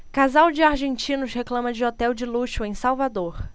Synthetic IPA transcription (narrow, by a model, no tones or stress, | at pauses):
kazawd͡ʒɪaɾʒẽnt͡ʃĩnʊʃɦeklɐ̃mɐd͡ʒɪɔt̪ɛwd͡ʒɪluʃʊẽj̃sawvad̪oɾ